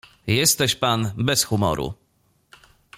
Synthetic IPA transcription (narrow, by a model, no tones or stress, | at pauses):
jɛst̪ɛɕpanbɛsxumɔ̰ɾʔṵ